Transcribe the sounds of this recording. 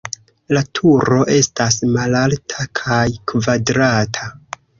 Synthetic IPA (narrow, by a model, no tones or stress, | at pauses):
latʰuɾo̞ʔe̞stasmalaltʰakʰajkvadɾatʰa